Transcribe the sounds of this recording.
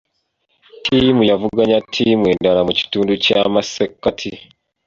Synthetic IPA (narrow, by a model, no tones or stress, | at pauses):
tʰimujavuɡaɲatʰiːmweːndaɾamuci̥tuːnducamasekːatʰi